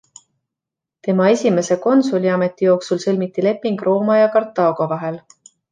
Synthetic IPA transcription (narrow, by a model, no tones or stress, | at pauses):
t̪e̞mɑe̞sʲime̞se̞ko̞nsulʲiɑme̞t̪ːˑijo̞ːksulselʲmit̪ːˑile̞pːˑiŋɡ̥ro̞ːmɑjɑkɑrt̪ːˑɑːɡ̥o̞vɑɦe̞l